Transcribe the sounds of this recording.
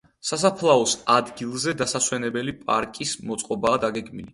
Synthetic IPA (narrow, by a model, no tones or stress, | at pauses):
sas̬apʰlˠaɔsad̪ɡilˠzɛd̪asaswɛnɛbɛlipʼa̰ɾkʼismɔt̪sʼqʼɔbaːd̪aɡɛɡmili